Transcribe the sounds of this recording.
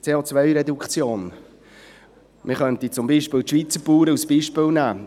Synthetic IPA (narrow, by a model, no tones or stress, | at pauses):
t͡seːot͡svœʏɾɛdukχt͡sjoːn | mʔɪχœntit͡sʊmbiːʃpɪːlt̪ʃʋit͡səpuːɾəusb̥iːʃpɪlnæː